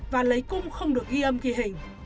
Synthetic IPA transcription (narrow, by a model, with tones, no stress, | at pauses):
vaː˨˩lə˨˦jkʊ˧ŋ͡mxə˧wŋ͡mɗɨ˨˩ək̚ɣi˧ʔə˧mki˨˧˦ɦï˨˩ŋ̟